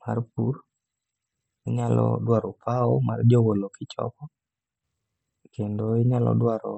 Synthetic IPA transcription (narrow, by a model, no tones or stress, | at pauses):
marpur | ɪɲalɔ̰dwaɾɔpʰaɔma̰rd͡ʒowolokɪt͡ʃɔ̰kɔ | kendoɪɲalɔ̰dwaɾɔ